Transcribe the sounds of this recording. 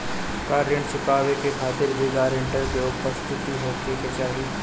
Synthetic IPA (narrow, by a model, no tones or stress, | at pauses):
kaːɾjəɳsɪpaːʋekekʰaːt̪ɪɾbɪɡaːɾɪ̃ɳʈəɾɡoʊpəst̪ʰɪt̪iɦoːkeket͡ʃaːɾɦiː